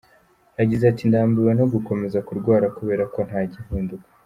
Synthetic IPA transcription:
aɟizatindaːmbuwenoɡuko̞me̞zakuɾɡwaːɾakuβe̞ːɾako̞n̥haːɟihuːndukḁ

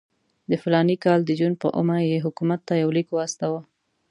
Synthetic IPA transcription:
d̪əfɪlɑnikɑld̪əd͡ʒunpə̰ʔo̰majeɦʊkumat̪ːajawlikwɑst̪awa

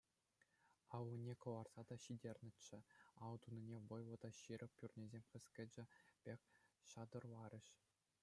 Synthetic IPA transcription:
ɑwɤnʲekɤ̆ʋɑrz̥ɑd̪ɑɕidʲerʲnʲɘ̆t͡ɕːɘ̆ɑld̪unʲinʲeʋɤ̆jlˠɤ̆d̪ɑɕiɾʲɤ̆pʲpʲurʲnʲezʲemʲχʲɘ̆sʲkʲɘ̆d͡ʑɘ̆pʲekʲɕɑd̪ɤ̆rlˠɑɾʲɘ̆ɕ

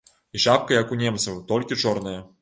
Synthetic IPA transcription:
iʂap̚kɐjakunʲemt̪sɐwt̪olʲkʲit͡ʂɔrnɨjɛ

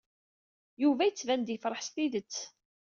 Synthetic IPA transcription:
juvæjət͡sːvænd̪jfɾˤəħst̪iðət͡sː

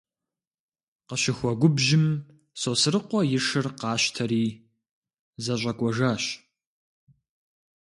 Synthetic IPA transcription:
qəɕɪxʷɔɡʷʊbʒɪm | soːsɨrɨqʷɔjɪʂɨrqɑːɕtʰɐɾiː | zɐɕʷʼɐkʷʼɔʒaːɕ

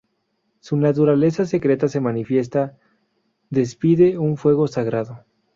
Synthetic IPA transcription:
sunat̪uɾale̞sase̞kɾe̞t̪ase̞manifje̞s̬t̪a | ðe̞spiðe̞uɱfwe̞ɣo̞saɣɾaðo

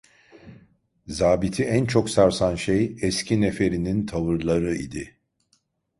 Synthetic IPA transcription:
zaːbit̪ʰiænt͡ʃʰoksaɾsanʃejɛscʰinefe̞ɾinint̪ʰavɯɾlˠaɾɯḭd̪ɪ

